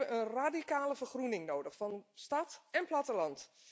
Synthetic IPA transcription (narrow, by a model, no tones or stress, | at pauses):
əʔənraːdikaːləvərχrunɪŋnowdəxfɑnstɑtɛnplatəlɑnt